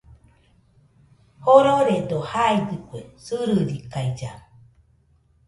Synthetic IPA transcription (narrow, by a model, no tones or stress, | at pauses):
hoɾoɾed̪ohaidɯkʷesɨɾɨɾikajd͡ʒa